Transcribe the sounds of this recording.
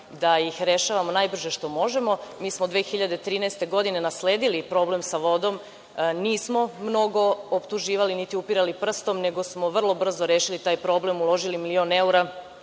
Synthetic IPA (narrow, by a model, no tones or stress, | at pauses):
d̪ajixɾe̞ʃaːʋamonajbr̩ʒe̞ʃt̪o̞mo̞ʒe̞mo̞miːsmod̪ʋeːxiʎad̪et̪ɾiːnɛst̪e̞ɡo̞d̪ine̞nasle̞ːd̪ilipɾo̞ːble̞msaʋo̞d̪o̞m | niːsmo̞mno̞ɡo̞opt̪uʒiːʋalinit̪iupiɾalipr̩st̪o̞mne̞ɡo̞smo̞ʋr̩lˠo̞br̩zoɾeːʃilit̪aːjpɾo̞ːble̞mulˠo̞ʒilimilio̞ne̞uɾa